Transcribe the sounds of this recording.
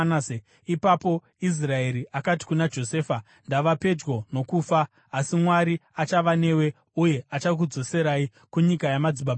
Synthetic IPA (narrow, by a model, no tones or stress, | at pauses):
ae | ipapo̞ | is̬rae̞ɾiakati̥kunad͡ʒo̞se̞ːfa | ndaʋape̞d͡ʒɡo̞no̞kuːfaː | simwaɾiat͡ʃaʋane̞we̞ | uje̞at͡ʃak̬ud͡zo̞se̞ɾai | kuɲikajamad͡ziɓab